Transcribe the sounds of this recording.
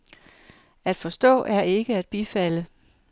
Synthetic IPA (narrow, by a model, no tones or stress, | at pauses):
æd̥fɒ̽sd̥ɔ̰̽ːʔæɐʔe̝ɡ̥əæd̥̚b̥ifælə